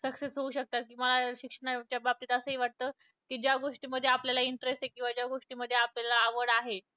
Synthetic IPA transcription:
səksesɦouːɕək̚t̪akiːməlaɕikʂəɳ̃at͡ɕjabap̚t̪it̪əsəːɦiːʋaʈ̚t̪əː | kiːd͡ʑjaɡoʂʈiːməd̪ʱːjeapljalaiɳʈɾesʈekĩw̃ʋad͡ʑjaɡoʂʈiːməd̪ʱːeapljalaːʋəɽaɦe

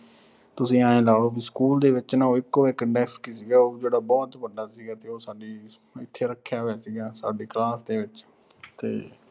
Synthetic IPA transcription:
t̪ʊsĩːãːẽːlaːɽoːbiːskuːld̪eːʋɪt͡ʃnãːoːɪkːoːɪkəɳɖɛːkskiːsiːɡaːoːd͡ʒeːɽaːbɔːt̪ʋəɖaːsiːɡaːt̪eːoːsaːɖiː | ɪt̪ʰːeːɾəkʰːjaːʋeːsiːɡaːsaːɖeːklaːsd̪eːʋɪt͡ʃ | t̪eː

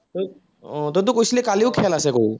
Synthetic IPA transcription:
t̪ə | õt̪əɾt̪ukoɕlekaliukʰɛlaseko

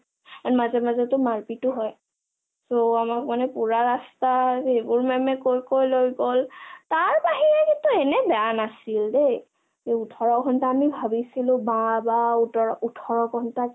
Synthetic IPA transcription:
anmazɛmazɛtʊmaɹpitʊɦɔj | soamakmanɛpuɹaɹastaejbʊɹmɛmɛkojkojlojɡoltaɹpaɦiɹɛkintuɛnɛbɛanasildej | eutʰɔɹɔɡʰʱɔntaːmibʱabisilʊ̃babauɔutʰɔɹɔɡʰʱɔnta

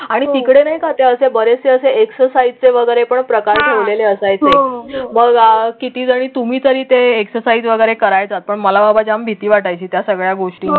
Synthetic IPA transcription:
aɽ̃it̪ikɽenaɦikʰat̪eəsebəɾeseəseʔeksəɾsaid͡zt͡seʋəɡəjɾepəɳpɾəkaɾʈʰeʋleleəsajt͡seməɡkit̪iːd͡zaɽ̃iːt̪um̤iːt̪əɾiːt̪eːksəɾsaiːd͡zʋəɡəjɾekəɾajt͡sat̪̚pəɳməlababad͡ʑambʱit̪iːʋaʈajt͡ɕiːt̪jasəɡɭjaɡoʂʈiː

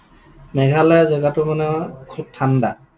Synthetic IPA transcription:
mɛɡʱalazɔɡatʊmanɛkʰub̚tʰanda

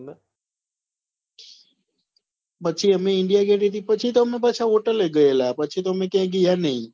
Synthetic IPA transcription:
pətːt͡ʃʰeːɦəmẽɪ̃ɳɖijaːkeʈit̪iːpət͡ʃʰit̪oɦəmẽːbət͡ʃʰaɦoːʈəleɡəeːlaːpət͡ʃʰet̪oɦmẽːkẽɡijanəĩː

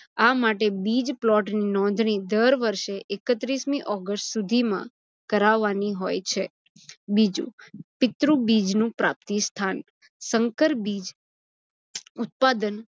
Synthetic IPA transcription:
amaʈebid͡ʒplɔʈninɔ̃n̆d̪ʱɳ̃id̪əɾʋəɾʃeʔekət̪ɾismiʔɔɡəsʈsud̪ʱimã̰ | kəɾaʋːaniɦojt͡ʃʰe | bid͡ʒṵ̃pɪt̪ɾũbid͡ʒnũpɾa̰p̚t̪ist̪ʰan | səŋkəɾbid͡ʒ | ʊt̪̚pad̪ən

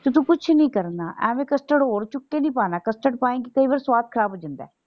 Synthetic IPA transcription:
t̪ʊt̪̬ũːkʊt͡ʃʰnĩːkəɾnaːʔɛ̰̃ːmẽːkəsʈəɽɦoːɽt͡ʃʊkːeːnĩːpaːnaːkəsʈəɽpaːẽːkikəiːʋaːɾsʋaːt̪̚kʰəɾaːbɦoːd͡ʒənd̪ɛ̰ː

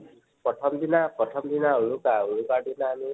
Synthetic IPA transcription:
pɾɔtʰɔmd̪inapɾɔt̪ʰɔmd̪inaɦoɹukaɦoɻukaɖinaːmi

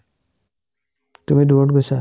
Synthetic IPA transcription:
tumiduoʈ̚ɡojsa

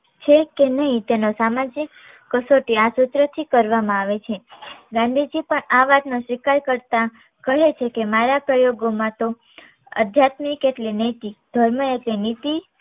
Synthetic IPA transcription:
t͡ʃʰekenəɦĩt̪enosamad͡ʒikː | əsoʈiasʊt̪ɾət̪ʰikəɾʋamãaʋet͡ʃʰeɡãnd̪ʱid͡ʒipəɳaʋat̪noʃʋikaɾkəɾt̪a | kəɦet͡ʃʰekemaɾapɾəjoɡomãt̪o | ə̰d̪ʱjat̪mikːeʈlinit̪id̪ʱəɾməeʈlinit̪i

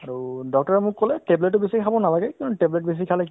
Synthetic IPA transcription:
aɹudɔk̚tɔɹɛmʊkːolɛʈebletːʊbisikʰabɔnalaɡɛkĩntuʈeblet̚bis̬ikʰalɛ

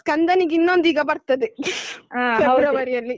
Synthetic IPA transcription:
kɐnd̪ɐniɡinːond̪iɡɐbɐɾt̪ɐd̪eafɛɐbɾɐʋɐɾijɐlːi

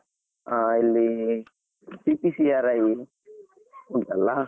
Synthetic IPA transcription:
ailːi | sipisiaɾaj | unt̪ɐlːa

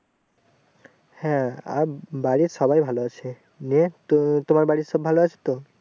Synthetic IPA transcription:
hɛ̃a̰baɹisɔbajbʱaloat͡ɕʰe | net̪omaɹbaɹisɔbʱaloat͡ʃʰe̥t̪o

